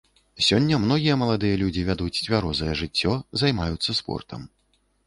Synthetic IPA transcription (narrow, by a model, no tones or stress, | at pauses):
sʲɔnʲːɐmnɔɣʲijɐmɐlˠad̪ɨjɐlʲud͡zʲivʲad̪ut͡sʲt͡sʲvʲaɾɔzɐjɛʐɨt͡sʲːɔzajmajut̪sːɐspɔ̰rt̪ʰɐ̰m